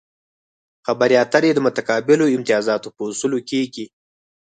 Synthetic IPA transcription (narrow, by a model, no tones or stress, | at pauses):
xabaɾjɑt̪əɾed̪əmʊt̪akɑbɪloɪmt̪ijɑzɑt̪opəusulokeɡi